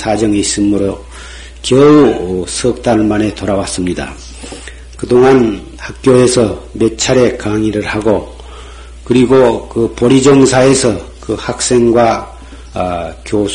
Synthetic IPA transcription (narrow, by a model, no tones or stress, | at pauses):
sʰad͡ʑʌŋis͈ɯmɯɾo | kjʌusʰʌk̚t̪͈aɭmane̞t̪oɾawas͈ɯmɲida̰ | kɯdoŋan | hak̚k͈joe̞sʰʌmet͡ɕʰaɾe̞kaŋiɾɯɭhaɡo | kɯɾiɡokɯpʌɾid͡ʑʌŋsʰae̞sʰʌkɯhak̚s͈e̞ŋɡwa | kjo